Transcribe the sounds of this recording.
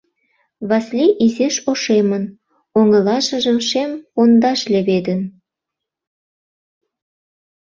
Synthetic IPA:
βɑslʲiʔizeʃoʃemə̆n | oŋɤ̆lɑʒɤ̆ʒə̆mʃempond̪ɑʃlʲeβed̪ə̆n

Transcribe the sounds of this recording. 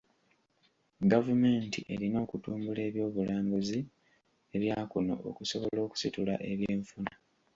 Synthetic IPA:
ɡavumeːntḭʔe̞̰ɾino̞ːkutuːmbule̞ːβjo̞ːβulaːmbuzi | e̞βjaːkuno̞̰o̰kuso̞βo̞lo̞ːku̥situla̰ʔe̞βjeːɱfuna

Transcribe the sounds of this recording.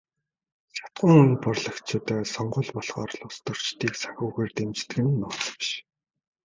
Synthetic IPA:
sḁt̪̚ɢʊ̆ːŋɵnpɔrɮə̆kt͡ɕʰʊːt̪œːsɔɴɢʊ̆ɮpɔɮʁɔːrɮʊst̪ɵ̆r̥t͡ɕt̪ʰiːksḁxʲʊːɣeːrt̪emt͡ɕt̪ɘ̆ɘ̆nːʊːt͡s̆pʃ

